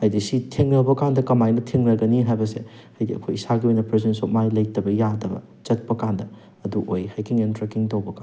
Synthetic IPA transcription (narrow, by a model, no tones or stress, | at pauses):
hajdisitʰeŋnɐbɐkandɐkɐmajnɐtʰeŋnɐɡɐniɦajbɐse | hajdiɐ̰kʰojisaɡiojnɐpɾezensok̚majlɐjtɐbɐjadɐbɐ̰ | t͡ʃɐt̚pɐkandɐ | ɐduʔo̰jhajkʰiŋentɾekiŋtowbɐka